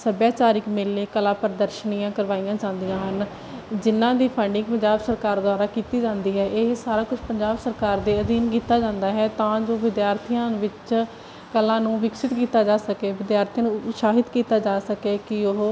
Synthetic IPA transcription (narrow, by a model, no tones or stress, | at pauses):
səbjaːt͡ʃaːɾikmeːlːeːkəlãːpəɾd̪əɾʃəniːãːkəɾʋaːijãːt͡ʃãːnd̪ijãːɦən | d͡ʒɪnːãːd̪iːpʰəɳɖɪ̃ŋɡpəɲd͡ʒaːbsəɾkaːɾd̪oaːɾaːkiːt̪iːd͡ʒãːnd̪iːɦɛːʔeɦsaːɾaːkʊt͡ʃʰpəɲd͡ʒaːbsəɾkaːɾd̪eːəd̪iːnkiːt̪aːd͡ʒãːnd̪aːɦɛːt̪ãːd͡ʒoːʋɪd̪jaːɾt̪ʰijãːʋɪt͡ʃ | kəlãːnũːʋɪksɪt̪kiːt̪aːd͡ʒaːsəkeːʋɪd̪jaːɾt̪ʰiaːnũːʃaːɦɪt̪kiːt̪aːd͡ʒaːsəkeːkɪʊɦ